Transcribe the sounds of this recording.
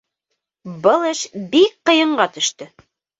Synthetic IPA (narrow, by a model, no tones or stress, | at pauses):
bɤlˠɘʃbik̚qɤ̆jɤ̆ɴɢɑt̪ɵ̆ʃt̪ɵ